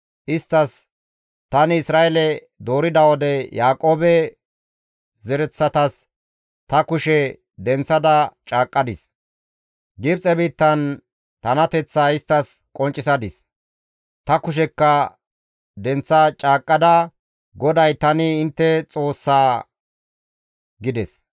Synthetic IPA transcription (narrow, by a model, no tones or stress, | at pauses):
ʔɪst̪ːɐs | t̪ɐnɪɪsɾaːʔɛlɛ | d̪o̞ːɾɪd̪ɐwɔd̪ɛjaːkʼo̞ːbɛ | zɛɾɛt͡sːɐt̪ɐs | t̪ɐkʊʃɛ | d̪ɛnt͡sːɐd̪ɐt͡ʃʼaːkʼːɐd̪ɪs | ɡɪbt͡sʼɛbiːt̪ːɐn | t̪ɐnɐt̪ɛt͡sːaːɪst̪ːɐskʼɔnt͡ʃʼɪsɐd̪ɪs | t̪ɐkʊʃ̬ɛkːɐ | d̪ɛnt͡sːɐt͡ʃʼaːkʼːɐd̪ɐ | ɡɔd̪ɐjt̪ɐnɪɪnt̪ːɛt͡sʼo̞ːsːaː | ɡɪd̪ɛs